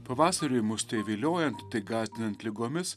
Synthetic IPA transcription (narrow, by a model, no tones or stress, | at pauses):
pɐʋɑːsɐɾʲʊjmʊsʲt̪ʲɐɪʋʲeːlʲoːjɛnt̪ːɐɪɡɑːzʲd̪ʲɪnɐnt̪ʲlʲɪɡoːmʲɪs